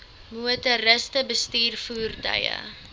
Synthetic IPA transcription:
muətəɾəstəbəstiːrfuːrdə̰jə̰

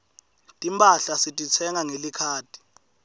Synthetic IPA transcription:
tʼimpʼaɬasitʼit͡sʰɛŋaŋelikʰaːtʰʼi̥

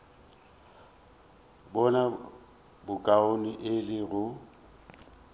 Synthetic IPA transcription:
bɔna | bʊkʼaoniʔɪlɪɣʊ

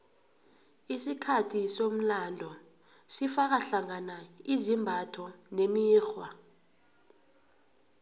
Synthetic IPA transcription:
isikʰatʰisom̩landʱɔ | sifak̬aɬaŋanaizimbʱatʰɔnemiiːxwa

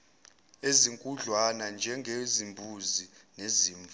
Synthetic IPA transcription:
eziŋkʼuɮwanand͡ʒʱɛŋɡʱezimbʱuzineziːɱ

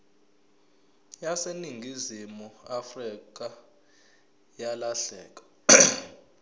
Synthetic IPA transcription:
jaseniŋɡʱizimuafrik̬a | jalaɬɛ̰ːk̬ʼḁ

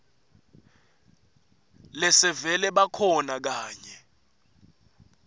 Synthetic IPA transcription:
lɛsɛvɛlɛɓakʰɔnak̬aːɲɛ

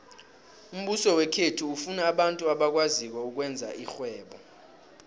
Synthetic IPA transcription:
um̩ɓusɔwɛkʰetʰuufunaːɓantʼuaɓak̬wazik̬wɛuk̬wɛnd͡zʱa̰ʔixwɛːɓɔ

